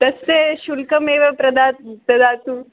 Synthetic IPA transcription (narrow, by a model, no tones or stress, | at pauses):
t̪ɐst̪eɕulkɐmeːʋɐpɾɐd̪aːt̪̚pɐd̪aːt̪u